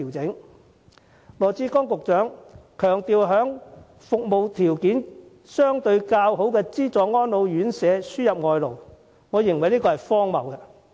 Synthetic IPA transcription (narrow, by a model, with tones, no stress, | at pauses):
iː˨˩wt͡sɪ˨˥ŋ | ŋɔː˨˧t͡siː˧˥kɔː˥ŋkʊ˨k̚t͡ʃœː˨˥ŋkʰœː˨˩ŋt̪iː˨˧wɦœː˨˥ŋ | fʊ˨k̚mo˨wt̪ʰiː˨˩wkiː˨˥n | sœː˥ŋt̪ɵ˧ɥkaː˧wɦo˨˥wkɛː˧t͡siː˥t͡sɔː˨ŋɔː˥nlo˨˧wjyː˨˥nsɛː˨˧syː˥jɐ˨p̚ŋɔː˧jlo˨˩w | ŋɔː˨˧jɪ˨˩ŋwɐ˨˩jliː˥kɔː˧hɐ˨˩jfɔː˥ŋmɐ˨wkɛ˧